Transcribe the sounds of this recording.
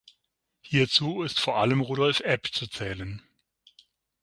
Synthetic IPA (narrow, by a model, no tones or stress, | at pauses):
hiːɐt͡suːɪstfoːɐʔaləmʁuːɾɔlfʔɛpt͡sut͡sɛːlən